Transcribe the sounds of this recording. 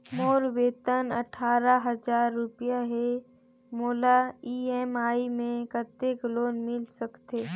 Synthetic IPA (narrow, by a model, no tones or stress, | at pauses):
moːɾweːt̪ənə̰ʈʰaːɾaɦəzaːɾːʊpjaɦe | moːlaiːɛmaːimẽkət̪ekloːnmɪlsəkt̪eː